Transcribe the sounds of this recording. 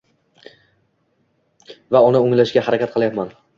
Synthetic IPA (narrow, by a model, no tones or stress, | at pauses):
vaʊnɪʊŋlaʃɡʲahaɾakʲat̪̚qʰɨlˠjapman